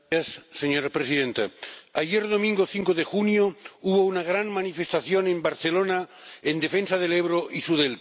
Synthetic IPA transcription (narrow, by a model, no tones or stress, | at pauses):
asːeɲoɾapɾesiðẽnt̪aaʝeɾðo̞mĩŋɡoθiŋkoðexunjouβo̞unaɣ̞ɾanmanife̞st̪aθjonẽ̞mbaɾθelonaend̪e̞fensaðeleβɾoʔisuðel